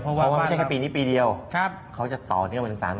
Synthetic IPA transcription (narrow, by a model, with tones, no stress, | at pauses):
ɔ˧a˧˩waː˥ma˦˧˥kʰpiː˧niː˦˥piː˧di˧əwʰ | kʰa˦˥wt͡ɕa˨˩t̪ɔː˨˩ni˥˩m˧˩saː˨˩˦n